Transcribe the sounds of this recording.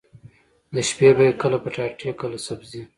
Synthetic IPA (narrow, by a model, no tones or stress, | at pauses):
d̪əʃpebajekəlapəʈɑʈʰekəlasabzi